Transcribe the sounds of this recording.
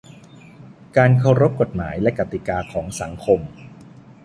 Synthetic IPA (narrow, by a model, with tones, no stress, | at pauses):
kaː˧nkʰa˧wɾo˦˥p̚ko˨˩t̪̚ma̰ː˩˦jlɛ˦˥ka˨˩t̪i˨˩kaː˧kʰɔː˩˦ŋsa˩˦ŋkʰo˧m